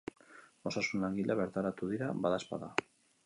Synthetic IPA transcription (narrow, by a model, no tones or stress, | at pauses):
o̞sasunlaŋɡiʎaβeɾt̪aɾat̪uðiɾaβaðaspa̰ða